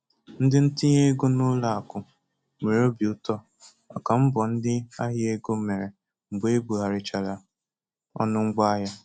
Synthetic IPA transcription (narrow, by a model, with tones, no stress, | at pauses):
n̩˦dɪ˦n̩˦ti˦ɲe˦ɡo˦nʊ˦la˨a˨kʊ˨ | me˨ɾo˦bi˨ʊ˦tɔ˦ | ɔ˨ka˨m̩˦bɔ˨n̩˦dɪ˦a˦ɦɪ˦e˦ɡo˦me˨ɾe˨ | ŋ͡m̩˨ɡ͡be˦bu˨ɦa˨ɾɪ˨t͡ʃa˨la˨ | ɔ̰˦nʊ˦ŋ͡m̩˦ɡ͡ba˦a˦ɦja˦